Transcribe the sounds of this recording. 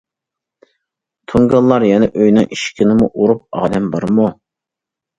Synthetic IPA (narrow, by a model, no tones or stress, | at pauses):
t̪ʰuŋɡɑlˠːɑɾjɛnɛʔøjnɨŋʔiʃkʲʰinɪmuʔuɾup̚ɑ̰ːd̪ɛmbɑɾmu